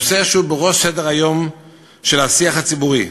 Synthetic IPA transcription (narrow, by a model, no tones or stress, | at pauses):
seʃubeʁo̞ʃsedeʁajo̞m | ʃe̞lasiaχhat͡sibuʁi